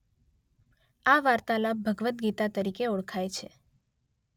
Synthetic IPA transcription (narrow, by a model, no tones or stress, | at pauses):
aʋaɾt̪alabʱəɡʋət̪ɡit̪at̪əɾikeoɽkʰajt͡ʃʰe